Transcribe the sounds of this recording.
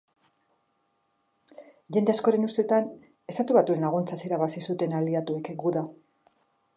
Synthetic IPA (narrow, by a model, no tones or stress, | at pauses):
ʝe̞nd̪easkoɾe̞nust̪e̞t̪an | e̞st̪at̪uβat̪ue̞nlaɣ̞unt͡sasiɾaβasisut̪e̞nald̪iat̪ue̞kɡuða